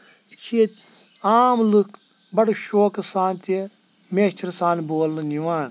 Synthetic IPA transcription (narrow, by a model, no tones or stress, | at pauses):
kʰiet̪ | aːmluk | bɐɽʃoːkɐsaːnt̪e | meːt͡ʃʰɐɾsaːnboːlnɐnjuaːn